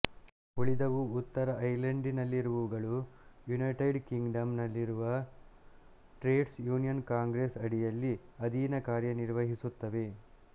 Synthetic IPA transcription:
uɭid̪ɐʋuːt̪ːɐɾɐɐjlɐɳɖinɐlːiɾuʋuuɡɐɭujunɐjʈɐjɖkiŋɡɖɐmnɐlːiɾuʋɐ | ʈɾeːɖsjuːnijɐnkaːŋɡɾesɐɽijɐlːiɐd̪iːnɐkaːɾjɐniɾʋɐɦisut̪ːɐʋe̞

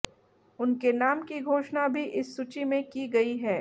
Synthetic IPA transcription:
ʊnkenaːmkiɡʱoːʃnabʱiʔɪsːut͡ʃimẽkiɡɐiɦɛː

